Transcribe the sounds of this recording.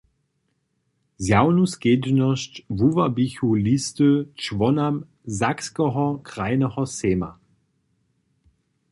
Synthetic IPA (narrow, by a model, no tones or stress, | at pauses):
zjaʊnusɡ̥eːdnəʃtvuvabiçulistət͡ʃvɔnam | zakskəʁɐkʁ̥aɪnəʁɐseːma̰